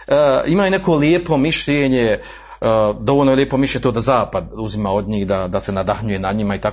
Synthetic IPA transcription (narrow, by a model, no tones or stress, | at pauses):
əimajonekʰo̞ljeːpo̞miʃʎeːɲe | d̪o̞ʋolnoljeːpomiʃleɲet̪oːd̪azaːpad̪uzimaːod̪ɲiːhd̪ad̪ase̞nad̪axɲujenadɲimait̪ak